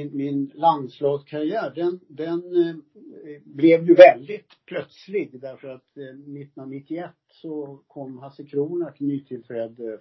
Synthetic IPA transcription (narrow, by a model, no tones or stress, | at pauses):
mɪnland̪slɑːɡskʰaɾɪjæːɖɛnd̪ɛn | blɛvjɵvɛld̪ɪt̪pʰlœt̪slɪɡd̪æɾfœɾat̪nɪt̪ːnanːɪt̪ːɪɛt̪ːsɔkʰɔmːɦasɛkʰɾuːnəʈʰɪnyːt̪ʰɪlt̪ʰɾɛːd̪ə